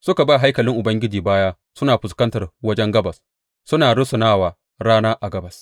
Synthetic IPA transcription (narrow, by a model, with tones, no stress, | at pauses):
sʊ˦ka˨baː˦ɦa˦jkɐ˨lɪ˦ŋʔʊ˨bɐ˦ŋɡʲɪ˦d͡ʒiː˨baː˦jaː˦ | sʊ˦naː˨ɸʊ˨skɐ˦ntɐ˨rwɐ˦d͡ʒɛ˦ŋɡɐ˦bɐ˨s | sʊ˦naː˨ɽʊ˦sʊ˨naː˦waː˨ | ɽaː˦naː˦ʔa˨ɡɐ˦bɐ˨s